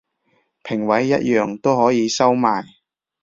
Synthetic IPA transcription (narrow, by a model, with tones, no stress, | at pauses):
pʰɪ˨˩ŋwɐ˨˥jːɐ˥t̚jœː˨˩ŋt̪o˥whɔː˨˥jiː˨˧sɐ˥wmaː˨j